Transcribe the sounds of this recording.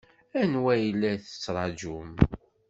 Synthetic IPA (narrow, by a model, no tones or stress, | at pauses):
ænwæjəlːæθə̥t͡sːɾˤɑd͡ʒum